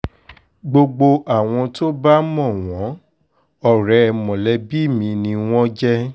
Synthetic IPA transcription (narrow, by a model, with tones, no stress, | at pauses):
ɡ͡bo˧ɡ͡bo˧ʔa˨w̃ɔ̃˧to˦ba˦mɔ̃˦˨w̃ɔ̃˨˦ | ɔ˦˨ɾɛ˧mɔ̃˨lɛ˧bi˦˨mĩ˧nĩ˧w̃ɔ̃˦d͡ʒɛ˦